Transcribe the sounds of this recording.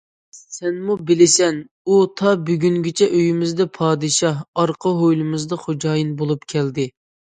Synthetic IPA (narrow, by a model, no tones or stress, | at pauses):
sɛnmubɪlɪsɛn | ut̪ʰɑbyɡʲynɡʲɪt͡ʃʰɛʔøjymɪzd̪ɛpʰɑːd̪ɨʃɑɦɑɾqʰəɦojlˠɨmɨzd̪ɑχod͡ʒɑːjinbolˠupkʲʰɛld̪ɪ